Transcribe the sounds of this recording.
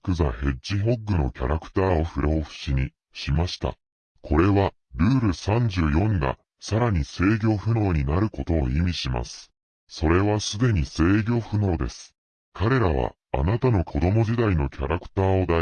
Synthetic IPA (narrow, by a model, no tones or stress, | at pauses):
kɯ̟zahe̞ʑiɦo̞ɡːɯ̟no̞̰kʲaɾakɯ̥t̪aːo̞ɸɯ̟ɾooɸɯ̟̥ɕiɲ̟i | ɕimaɕi̥t̪a̰ | kʰo̞ɾe̞βa | ɾɯ̟ːɾɯ̟sãɲ̟d͡ʑɨːjõ̞ŋɡa̰ | saɾaɲ̟ise̞ːɡʲo̞ːɸɯ̟no̞ːɲ̟inaɾɯ̟ko̞t̪o̞̰ːimʲiɕima̰sɨ̥ | so̞ɾe̞βasɨd̪e̞ɲ̟ise̞ːɡʲo̞ːɸɯ̟no̞ːd̪e̞sɨ̥ | kʰaɾe̞ɾaβ̞a̰ːnat̪ano̞kʰo̞d̪o̞mo̞ʑid̪aino̞kʲaɾakɯ̟̥t̪aːo̞d̪a